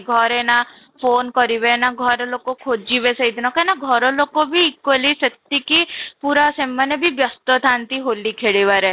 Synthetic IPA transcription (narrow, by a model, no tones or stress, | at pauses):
ɡʱɔɾena | pʰoːnkɔɾiβenaɡʱɔɾlokokʰod͡ʒiβesəid̪ʱinɔkenaɡʱɔɾɔlokobʱiːkwoliset̪ːikipuɾasemːanebʱibjɔst̪ɔt̪ʰant̪iɦolikʰeɽiʋaɾe